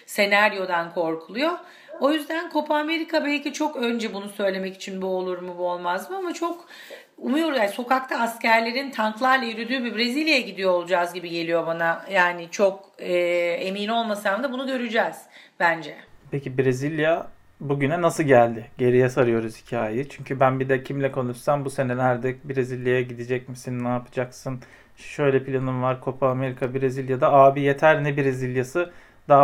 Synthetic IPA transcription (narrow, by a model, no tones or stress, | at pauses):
se̞næɾjo̞d̪ankʰo̞ɾkʰulˠujo̞ | o̞jyzd̪ænkʰo̞pʰaːme̞ɾikʰabɛlʲcit͡ʃʰo̞kø̞nd͡ʒɛbunusø̞jlʲe̞mɛci̥t͡ʃʰinbuo̞lˠuɾmubuo̞lˠmazmɯamat͡ʃʰo̞k | umujo̞ɾuzjaːnso̞kakt̪ʰaːscæɾlʲe̞ɾint̪ʰaŋklˠaɾlˠajyɾyd̪yːbibɾezilʲjajaɟid̪ijo̞olˠud͡ʒazɟibiɟe̞lʲijo̞banajaːnit͡ʃʰo̞k̚ɯːe̞miːno̞lˠmasaamd̪abunuɟø̞ɾyd͡ʒɛːz̥b̥ænd͡ʒɛpʰecibɾezilʲja | buɟynɛnasɯlˠɟælʲd̪ɪɟe̞ɾijɛsaɾɯjo̞ɾuz̥hi̥cʰiaːjɪt͡ʃʰyɲcʰybænbid̪ɛcʰimlʲɛkʰo̞nuʃsambuse̞nɛlʲæɾd̪ɛbiɾezilʲjajaɟid̪id͡ʒɛcmisinːaːpʰɯ̥d͡ʒaksɯn | ʃø̞jlʲɛpʰilʲanɯmvaɾkʰo̞pʰaːme̞ɾikʰabiɾezilʲjad̪aaːbije̞t̪ʰæɾnɛbiɾezilʲjasɯ | d̪a